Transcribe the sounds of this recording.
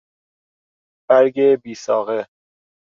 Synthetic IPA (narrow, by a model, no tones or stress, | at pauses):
b̥æɾɟebiːsɒːɣe